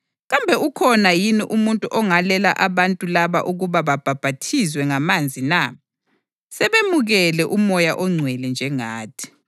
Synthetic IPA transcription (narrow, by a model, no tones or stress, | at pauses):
ɣambʱɛukʰɔnajiniʔumuntʼuʔɔŋalɛla̰ʔaβantʼulaβa̰ʔuɣuβaβab̥ʱab̥ʱatʰizwɛŋamand͡zʱina | sɛβemuɣɛlɛʔumɔjaʔɔŋ͡ǀʱwɛlɛnd͡ʒʱɛŋaːtʰi̥